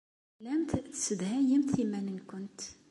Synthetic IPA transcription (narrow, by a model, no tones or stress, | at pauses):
læmt̪səd̪hæjəmt̪imænənkʊnt̪